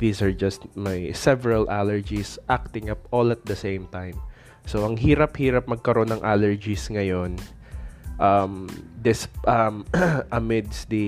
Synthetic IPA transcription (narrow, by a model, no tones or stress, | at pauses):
ðiːsɐɹd͡ʒɐst̪mɐjsɛvɛɹɐlʔalɛɹd͡ʒisʔak̚t̪ɪ̃ŋɐpolɐt̪̚d̪ɐsẽjmt̪ãjm | soʔɐŋɦiːɾɐphiːɾɐp̚mɐɡ̚kɐɾo̞nːɐŋʔalɛɹd͡ʒisŋɐjo̞n | ʔɐmd̪ɪsʔɐmʔɐmɪd̪sd̪i